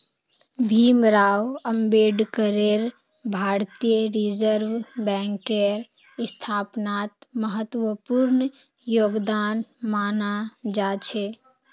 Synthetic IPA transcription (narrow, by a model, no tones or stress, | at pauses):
bʱiːmɾaːwəmbeːɖkəɾeɾ | bʱaːɾt̪ijəɾid͡ʒəɾʋbɛ̃ːŋkeɾ | st̪ʰaːpnaːt̪məɦət̪wəpuɾn | joːɡd̪aːnmaːnad͡ʒaːt͡ʃʰe